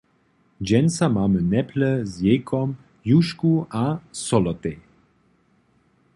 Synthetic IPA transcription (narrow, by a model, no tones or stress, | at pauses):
d͡ʑɛnt͡samaːmənɛplɛzjɛkʰɔm | juʃkuʔasɔlɔt̪ɛ